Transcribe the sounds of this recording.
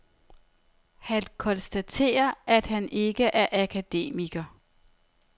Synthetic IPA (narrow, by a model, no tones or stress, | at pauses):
hænkʰɒ̽nsd̥æt͡sʰe̝̰ːɐʔæd̥hænʔe̝ɡ̥əʔæɐʔækʰæd̥e̝̰ːmiɡ̥ɐ